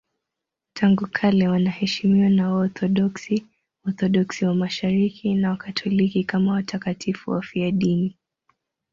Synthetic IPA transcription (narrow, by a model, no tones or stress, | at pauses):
tʰaŋɡukʰalɛwanahɛʃimiwanaɔθɔɗɔksi | ɔθɔɗɔksiwamaʃaɾikʰinawakatʰɔlikikamawatʰakatʰifuwa̰fiaɗini